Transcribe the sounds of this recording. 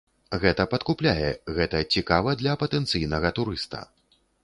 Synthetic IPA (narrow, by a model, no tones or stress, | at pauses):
ɣɛt̪ɐpɐt̪kuplʲajɛɣɛt̪ɐt͡sʲikavɐd̪lʲɐpɐt̪ɛnt̪sɨjnɐɣɐt̪uɾɨst̪ɐ̰